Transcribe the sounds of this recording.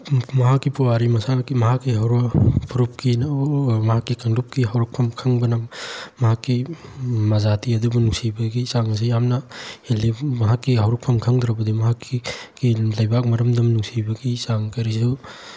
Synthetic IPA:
mɐɦakːipuwaɾimɐsaŋkimɐɦakːiɦawɾɐpʰuɾup̚kinmɐɦakːikɐŋdup̚kiɦawɾɐk̚pʰɐmkʰɐŋbɐnɐmɐɦakːimɐzatiɐd̪ubunuŋsibɐɡisaŋɐs̬ijamnɐhelimɐɦakːiɦawɾɐpʰɐmkʰɐŋd̪ɾɐbɐd̪imɐɦakiːilɐjbak̚mɐɾɐmdɐmnuŋsibɐɡisaŋkɐɾisu

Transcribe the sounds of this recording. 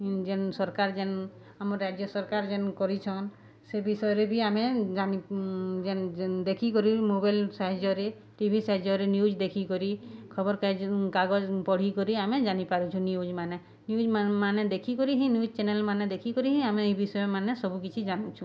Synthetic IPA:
d͡ʒɛnsɔɾkaɾd͡ʒɛn | amɔɾːad͡ʒjɔsɔɾkaɾd͡ʒɛnkɔɾit͡ʃʰɔn | sebisɔjɔɾebʱiamed͡ʒanid͡ʒɛnd̪ekʰikɔɾimobajlsaɦid͡ʒɔɾe | ʈibʱisaɦid͡ʒɔɾenjud͡ʒd̪ekʰikɔɾikʰɔbɔɾkad͡ʒkaɡɔd͡ʒpɔɽ̤ikɔɾiamed͡ʒanipaɾũt͡ʃʰũniud͡ʒmane | niud͡ʒmaned̪ekʰikɔɾiɦĩnjud͡ʒt͡ʃenelmaned̪ekʰikɔɾiɦĩameejbisɔjɔmanesɔbukit͡ʃʰid͡ʒanũt͡ʃʰũ

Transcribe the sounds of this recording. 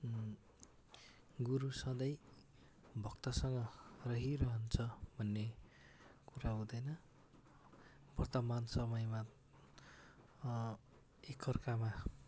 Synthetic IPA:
ɡuɾusʌ̃d̪ʌj | bʱʌkt̪ʌsʌŋɡʌrʌɦiɾʌɦʌnt͡sʰʌbʱʌnːe | kuɾaɦũd̪ʌjnʌ | bʌrt̪ʌmansʌmʌjma | ekʰːʌrkama

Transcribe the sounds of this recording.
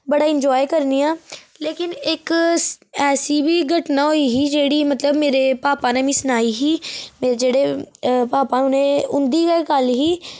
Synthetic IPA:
bəɽaɪ̃ɲd͡ʒɔːjkəɾnija | leːkɪneːk | ɛːsibʱiɡʱəʈnaɦoiɦid͡ʒeːɽimɐt̪ləbmeːɾepaːpãnẽmĩsnaːiɦimeːɾed͡ʒeːɽepaːpãʊnẽʊ̃nd̪ikakaːlɦiː

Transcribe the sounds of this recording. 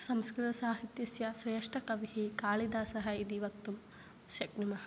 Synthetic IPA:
sɐmskɾɪt̪ɐsaːɦit̪jɐsjɐʃɾeːʂʈʰɐkɐʋiɦikaːɭid̪aːsɐɦɐid̪iʋɐt̪ːum | ʃɐknimɐɦɐ

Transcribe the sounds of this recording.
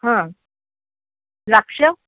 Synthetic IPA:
ɦã | ɾakʂə

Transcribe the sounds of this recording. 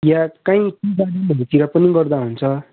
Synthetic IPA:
jakãĩkibaɽʌmʱʌt̪iɾʌpʌniɡʌrd̪aɦunt͡sʰʌ

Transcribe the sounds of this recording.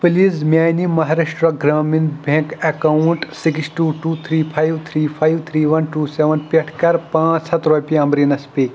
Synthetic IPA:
pɨlismjaːjnimɐɦaːɾeʃʈɾɐɡɾaːminbʱẽːkekauɳʈsiksʈuːʈuːt̪ʰɾiːpʰajʋt̪ʰɾiːpʰajʋt̪ʰɾiːʋɐnʈuːseːʋɐnpʲeʈʰkɐɾpãːt͡ʃsɐt̪ɾoːpijɐmbɾinɐspiː

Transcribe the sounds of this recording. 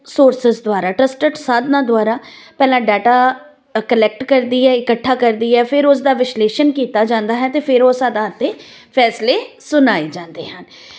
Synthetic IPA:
soːɾsɪzd̪ʊaːɾaːʈɾəsʈəʈsaːd̪nãːd̪ʊwaːɾaː | pɛːlãːɖɛːʈaː | kəlɛk̚ʈkəɾd̪iːɦɛːɪkəʈʰːaːkəɾd̪iːɦɛːpʰɪɾʊs̬d̪aːʋɪsleːʃənkiːt̪aːd͡ʒãːnd̪aːɦɛːt̪eːpʰɪɾoːsaːd̪aːt̪ːeːpʰɛːsleː | sʊnaːeːd͡ʒãːnd̪eːɦən

